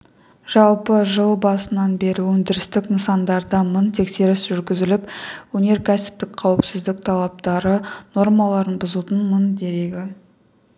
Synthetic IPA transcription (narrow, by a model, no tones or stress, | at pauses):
ʒ̥ɑlˠpəʒəlˠbɑsənɑnbe̞ɾɪwɵnd̪ɪɾɪst̪ɪknəsɑnd̪ɑɾd̪ɑmənt̪ʰe̞kse̞ɾɪsʒʏɾɡʲɪzɪlɪpwɵne̞ɾkʲʰæsɪ̥p̚t̪ɪkqʰɑwɪpsɪzd̪ɪk̚t̪ʰɑlˠɑp̚t̪ɑɾəno̞rmɑlˠɑɾənbʊzult̪ənmənd̪e̞ɾeɡʲɪ